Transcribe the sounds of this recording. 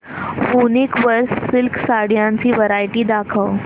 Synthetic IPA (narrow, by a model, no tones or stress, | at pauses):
bunikʋəɾsːɪlkʰsaɽjãɲt͡siːʋəɾajʈiːd̪akʰəʋ